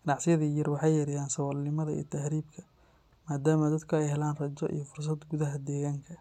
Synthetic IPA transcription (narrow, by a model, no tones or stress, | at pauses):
ɡ̥ɐnɑʕsɪjɐðiːjɐrwɑħɑjːɐɾɪjaːnsɐwɐlnɪmɐðɐḭjt̪ʰɐhɾiːbkʰɐ | maːd̪aːmɐd̪ɐd̪kʰʊɛjɦɛlaːnrɐt͡ʃɔʔḭjɔfʊrs̬ɐd̪ɡʊðɐɦɐd̪ɛːɣaːŋkʰɐ